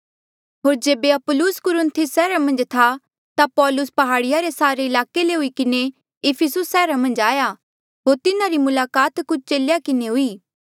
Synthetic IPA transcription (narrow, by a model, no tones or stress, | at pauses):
ɦoːɾd͡ʒeːbeɐpʊlʊskʊɾʊnt̪ʰɪsːɛːɾamɐ̃nd͡ʒt̪ʰa | t̪apɔːlʊspɐɦaːɽɪjaɾesaːɾeɪlaːkeleɦʊikɪne | ɪpʰɪsʊsːɛːɾamɐ̃nd͡ʒaːja | ɦoːɾt̪ɪnaɾimʊlaːkaːt̪kʊt͡ʃʰt͡ʃeːljakɪneɦʊiː